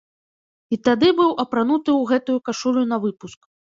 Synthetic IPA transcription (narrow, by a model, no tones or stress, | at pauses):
it̪ad̪ɨbɨwʔɐpɾanut̪ɨwɣɛt̪ujukaʂulʲunɐvɨpusk